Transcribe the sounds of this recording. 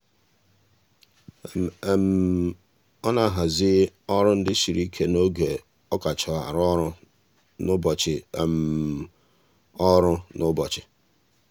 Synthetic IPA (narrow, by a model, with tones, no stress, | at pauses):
m˨e˨m̩˨ | ɔ˦na˦˨ɦa˨zɪ˦ɔ˦ɾʊ˦n̩˦dɪ˦ʃi˨ɾi˦kʰe˦no˦ɡe˨ | ɔ˦ka˨t͡ʃɔ˨a̰˨ɾɔ˦ɾʊ˦ | nʊ˦bɔ˨t͡ʃɪ˨e˨m̩˨ | ɔ˦ɾʊ˦nʊ˦bɔ˨t͡ʃɪ̥˨